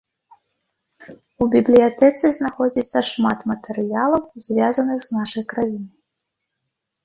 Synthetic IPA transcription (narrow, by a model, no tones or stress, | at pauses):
ubʲiblʲijat̪ɛt̪sɨznaxɔd͡zʲit̪sːɐʂmat̪mɐt̪ɛɾɨjalˠɐwzʲvʲazɐnɨxznaʂɐjkɾajinɨ